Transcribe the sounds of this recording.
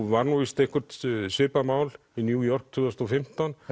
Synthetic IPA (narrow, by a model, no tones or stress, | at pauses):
vaɾnuist̪ehkʰʏɾ̥t̪sʏːpamaːwl | injuːjɔr̥k̚t̪ʰʏðast̪ɔfɪm̥t̪an